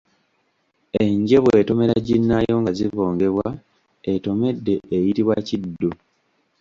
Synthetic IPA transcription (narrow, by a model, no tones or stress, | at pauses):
eɲɟe̞βwe̞ːto̞me̞ɾaɟinːajo̞ŋɡazivoːŋɡe̞βwa | eto̞me̞dːe̞ːjitiβwacidːo